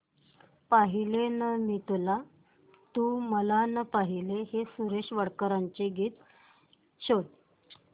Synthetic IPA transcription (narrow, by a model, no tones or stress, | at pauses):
paɦilenəmit̪la | t̪uːməlanəpaɦilehesuɾeɕʋəɽkɾaɲt͡ɕeɡiːt̪ | ɕot